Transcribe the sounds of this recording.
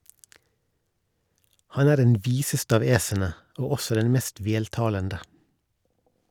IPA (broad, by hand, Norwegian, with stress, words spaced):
ˈhɑn ˈæːɾ ˈdɛn ˈʋiːsəst ˈɑːʋ ˈeːsənə ˈoː ˈɔsɔ ˈdɛn ˈmeːst ˈʋeːltɑːləndə